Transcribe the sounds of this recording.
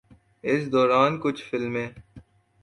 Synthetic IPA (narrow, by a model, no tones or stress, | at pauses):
ɪsd̪ɔːɾaːnkʊt͡ʃʰfɪlmẽː